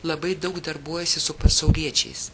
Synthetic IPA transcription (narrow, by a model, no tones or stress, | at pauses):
lˠɐbɐɪd̪ɐʊkd̪ɐɾbuɔjɛsʲɪsʊpɐsɐʊlʲiɛt͡ʃʲɛ̰ɪs